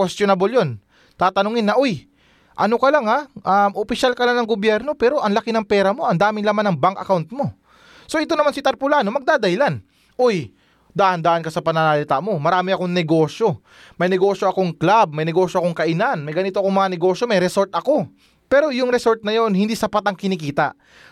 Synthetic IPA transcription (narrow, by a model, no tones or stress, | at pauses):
kwɛst̪jonaboljo̞n | t̪aːt̪ɐnoːŋɪnːɐʔo̞j | ʔɐno̞kɐlɐŋaʔamʔopɪʃalkɐlaŋnɐŋɡobjɛɾno̞pɛːɾo̞ʔɐŋlɐkɪnɐŋpɛːɾɐmo̞ʔɐnd̪aːmɪŋlamanɐŋbaŋkʔɐ̰kawnt̪̚mo̞ | so̞ʔɪt̪o̞nɐmansɪt̪ɐɾpʊlaːno̞mɐɡ̚d̪aːd̪ɐhɪlan | ʔoj | d̪aːʔɐnd̪aːʔɐnkɐsɐpɐnanalɪt̪aʔmo̞mɐɾaːmɪɐko̞ŋnɛɡo̞ːʃjo̞ | mɐjnɛɡo̞ʃjo̞ʔɐko̞ŋklab̚mɐjnɛɡo̞ːʃjoʔɐkoŋkɐʔɪnanmɐjɡɐniːt̪o̞ʔɐkoŋmɐŋɐnɛɡo̞ʃjo̞mɐjɾɛso̞ɾt̪̚ʔɐko̞ | pɛːɾo̞jʊŋɾɛso̞ɾt̪̚nɐjo̞nhɪnd̪iːsɐpat̪ɐŋkɪnikiːt̪ɐ̰ʔ